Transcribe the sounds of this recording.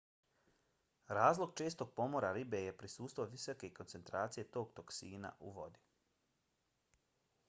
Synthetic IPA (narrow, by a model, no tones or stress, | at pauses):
ɾaːzlˠo̞ɡ̚t͡ʃe̞ːst̪o̞ɡ̚po̞moɾaɾibe̞je̞pɾisuːst̪ʋoʋisoke̞ko̞nt̪se̞nt̪ɾaːt̪sije̞t̪o̞ːɡt̪o̞ksiːna̰ʔuʋo̞̰d̪i̥